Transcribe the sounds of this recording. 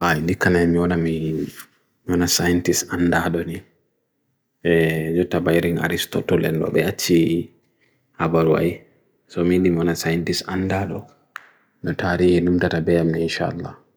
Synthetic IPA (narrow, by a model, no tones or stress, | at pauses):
hajndikːanajmiwɔnami | miɔnasajntisandaɗɔni | ɛd͡ʒɔtːabajɾiŋa̰ɾistɔ̰tɔlɛ̰ndɔ̰bɛ̰at͡ʃːi | habaɾuwa̰j | sɔmindimiɔnasajntisandaɗɔ | nɔtaɾihinumtatabɛamːiinʃa̰a̰lːa̰